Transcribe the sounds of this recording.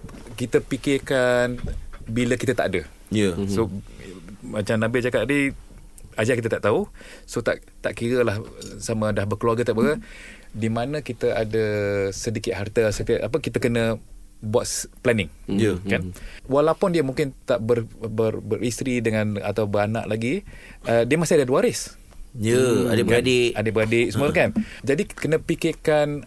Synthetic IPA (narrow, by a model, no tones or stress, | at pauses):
kit̪əpikɪrkanbiləkit̪ət̪a̰ʔadə | jəso | mat͡ʃamnãbid͡ʒakat̪̚di | ad͡ʒakit̪ət̪aʔt̪au | sot̪aʔ | t̪aʔkiɾəlahsamə̃dahbərkəluaɡət̪aʔbəɣə | dimanə̃kit̪əʔadəsədikɪt̪̚ɦart̪əsət̪iaʔʔapəkit̪əkənə | buat̪̚plɛnɪŋjəkanwalapʊndiəmũŋkɪnt̪aʔbərbərbərʔist̪ɾidəŋãna̰t̪awbəɾana̰ʔlaɡi | ədiəmast̪iadəduwaɾɪs | jəa̰dəʔbəadɪʔadeʔbəɾadɪʔsəmɾkand͡ʒadikənə̃pikɪkan